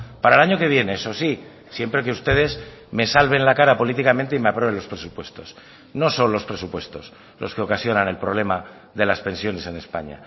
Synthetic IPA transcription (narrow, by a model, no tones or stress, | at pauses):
paɾaelaɲoke̞β̞je̞ne̞eso̞si | sje̞mpɾe̞keust̪e̞ð̞e̞szme̞salβe̞nlakaɾapo̞lit̪ikamẽnt̪eime̞apɾe̞βelo̞spɾe̞supwe̞st̪o̞s | no̞so̞nlo̞spɾe̞supwe̞st̪o̞s | lo̞ske̞okasjo̞nane̞lpɾoβle̞ma | ðe̞laspe̞nsjo̞ne̞se̞ne̞spa̰ɲa̰